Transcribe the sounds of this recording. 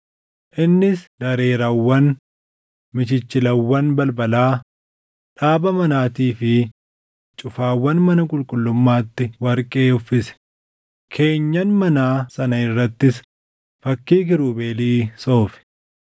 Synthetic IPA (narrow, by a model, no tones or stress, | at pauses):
ʔɪnːɪsd̪ɐɾe̞ːɾɐwːɐn | mɪt͡ʃɪt͡ʃːɪlɐwːɐnbɐlbɐlaː | ᶑaːbɐmɐnaːt̪iːfɪ | t͡ʃʼʊfaːwːɐnmɐnɐkʼʊlkʼʊlːʊmːaːt̪ːɪwɐɾkʼe̞ːʊfːɪsɛ̥ | kʰe̞ːɲːɐnmɐnaːsɐnɐɪrːɐt̪ːɪs | fɐkːiːk̬ɪɾuːbe̞ːliːso̞ːfɪ̥